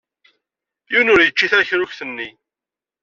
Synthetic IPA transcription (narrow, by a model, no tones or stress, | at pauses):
junʊɾjət͡ʃːiθæçɾʊçθənːi